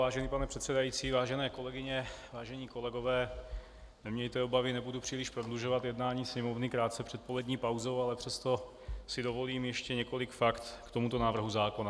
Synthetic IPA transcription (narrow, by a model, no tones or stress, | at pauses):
vaːʒɛniːpanɛpr̥ɛt̪sɛdajiːt͡siːvaːʒɛnɛːko̞lɛɡɪɲɛvaːʒɛɲiːko̞lɛɡo̞vɛː | nɛmɲɛjt̪ɛobavɪnɛbudupr̝̥iːlɪʃpɾodluʒovat̪jɛdnaːɲiːsɲɛmovnɪkɾaːt̪t͡sɛpr̥ɛt̪̚po̞lɛd̪ɲiːpawzo̞walɛpr̥ɛst̪o̞ | sɪdo̞vo̞liːmjɛʃcɛɲɛko̞lɪkfakt̪kt̪o̞mut̪o̞naːvr̩ɦuzaːkona